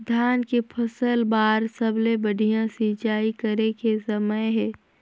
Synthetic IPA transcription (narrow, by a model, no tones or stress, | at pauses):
d̪ʱjaːnkepʰəsəlbaːɾsəblebəɽʱijãsit͡ʃaːikəɾekesəməjɦɛː